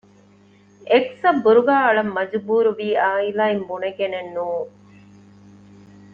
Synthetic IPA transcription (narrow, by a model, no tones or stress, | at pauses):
eksɐbːuɾuɡaːɐɭɐmːɐd͡ʒubuːɾuʋiːaːilaːimbuneɡenenːuːŋ